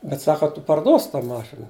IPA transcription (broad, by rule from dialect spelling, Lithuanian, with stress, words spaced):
bʲɛt ˈsɑːkɐ tʊ pɐrˈduɔsʲɪ tɐ ˈmɑːʃʲɪnɐ